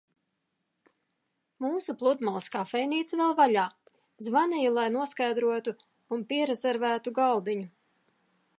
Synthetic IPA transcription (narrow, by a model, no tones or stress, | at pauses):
muːsuplˠud̪malˠskaːfɛjniːt̪svɛlˠvaʎʲaː | zvanɛjulˠajnuɔskajd̪ɾuɔt̪u | unpiɛɾɛzɛɾvæːt̪uɡalˠd̪iɲu